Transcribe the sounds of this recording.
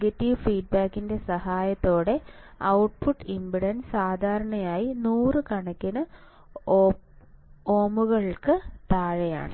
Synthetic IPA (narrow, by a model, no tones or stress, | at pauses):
ɡɐtːiʋfiːɖ̚baːkːinde̞sɐhaːjɐt̪ːo̞ːɽe̞ɐwʈpuʈːimbiɽɐnsaːd̪ʱaːɾɐɳɐjaːjinuːrɨkɐɳɐkʲːɐnɐ | oːmuɣɐɭkɨt̪aːɻɐja̰ːɳɨ